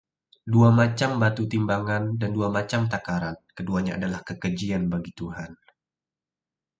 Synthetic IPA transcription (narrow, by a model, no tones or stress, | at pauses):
duamat͡ʃambat̪ut̪imbaŋandanduamat͡ʃamt̪akaɾankəduaɲaa̰dalahkəkəd͡ʒianbaɡit̪uɦan